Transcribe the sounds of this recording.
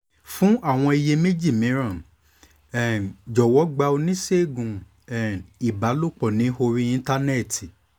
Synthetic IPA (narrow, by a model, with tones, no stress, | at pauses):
fũ˦ʔa˦˨w̃ɔ̃˧i˧je˧me˦d͡ʒi˦˨mĩ˨˦ɾã˦˨ | ɛ˨d͡ʒɔ˨wɔ˨˦ɡ͡ba˧o˧nĩ˦se˦˨ɡũ˨ | ɛ˨i˨ba˨˦lo˦˨k͡pɔ˨nĩ˨˦ho˧ɾĩ˧ĩ˧n˦ta˦nɛ˦˨ti˨